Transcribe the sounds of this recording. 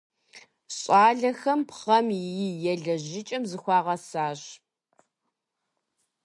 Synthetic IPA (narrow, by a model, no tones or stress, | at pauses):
ɕʼɑːɮɐxɐmpχɐmjɪjɛɮɐʑɪt͡ʃʼɐmzɨxʷɑːʁɐsaːɕ